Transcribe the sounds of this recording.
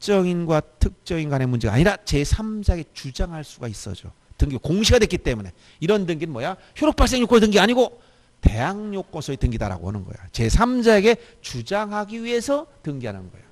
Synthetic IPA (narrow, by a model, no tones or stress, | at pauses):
t͡ɕ͈ʌŋinɡwatʰɯk̚t͡ɕ͈ʌŋinɡwanemund͡ʑe̞ɡa̰ɲiɾat͡ɕe̞sʰamd͡ʑaeɡet͡ɕud͡ʑaŋɦaɭs͈uɡais͈ʌ̰d͡ʑo̰tɯŋɡiɡokoŋɕʰiɡadwek͈it͈e̞mune̞̰ | iɾʌndɯŋɡinmwʌja | çjoɾɯk̚paɭs̬͈e̞ŋɲjok͈ontɯŋɡiaɲiɡo | te̞̰jaŋɲok͈ʌsʰʌitɯŋɡida̰ɾa̰ɡo̰ɦa̰nɯnɡʌ̰ḛjot͡ɕe̞sʰamd͡ʑae̞ɡe̞ | t͡ɕud͡ʑaŋɦaɡiɥie̞sʰʌtɯŋɡiɦanɯnɡʌ̰ḛjo